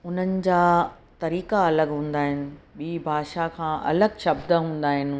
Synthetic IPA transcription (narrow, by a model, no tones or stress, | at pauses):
ʊn̤ənɪ̆d͡ʑaː | t̪ɐɾiːkaɐləɡɦũːn̆d̪aːɦɪnɪ̆ɓiːbʱaːʃakʰãːʔɐ̰ləɡʃɐb̚d̪əɦũːnd̪aːɦɪnɪ̆